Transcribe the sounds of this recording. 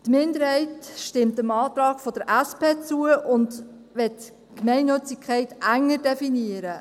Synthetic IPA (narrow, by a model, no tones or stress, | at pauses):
tmɪndəɾhɛɪtʃtɪmtəmɑːtɾɑːɡ̥fod̥əɾʔæspeːt͡suəʔʊnd | ʋɛt | kmɛɪnnøt͡sikʰχæɪtʔæŋːəɾdɛfiniəɾə